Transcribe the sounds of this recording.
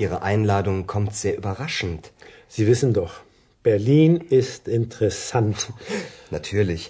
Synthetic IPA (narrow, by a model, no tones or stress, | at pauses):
ʔiːʁ̞əʔaɪnlaːdʊŋkʰɔmtz̥eːɐʔybɐʁaʃn̩t | z̥iːvɪsn̩dɔχ | b̥ɛɐliːnɪstɪntəʁɛsantnatʰyːɐlɪç